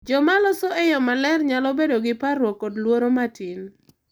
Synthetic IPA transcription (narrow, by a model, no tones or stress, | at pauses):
d͡ʒɔmalɔsɔɛjɔmalɛrɲalɔbedoɡɪparwɔkːɔdlwoɾomatin